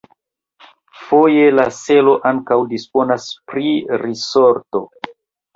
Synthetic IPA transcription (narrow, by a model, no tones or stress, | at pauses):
fo̞jelase̞lo̞ʔaŋkawdispo̞naspɾiɾiso̞ɾto̞